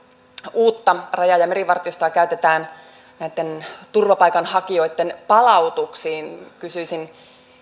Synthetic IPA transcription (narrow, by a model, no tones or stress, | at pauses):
uːt̪ːɑrɑjɑjɑmeɾiʋɑrt̪iost̪oɑkæyt̪e̞t̪æːn | næit̪ːe̞nt̪urʋɑpɑjkɑnhɑkio̞jt̪ːe̞npɑlɑut̪uksiːnkysyisin